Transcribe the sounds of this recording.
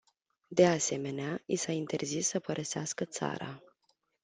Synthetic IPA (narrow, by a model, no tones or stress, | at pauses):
d̪e̞ase̞me̞neaisaint̪e̞rzisːəpəɾʔəseaskət̪sa̰ɾa̰